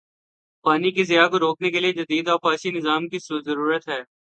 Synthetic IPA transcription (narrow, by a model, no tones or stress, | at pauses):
paːnikezɪjakoɾoːknekelied͡ʒɐd̪iːd̪ɔːɾfaːʃinɪzaːmkiszɐɾuːɾət̪ɦɛː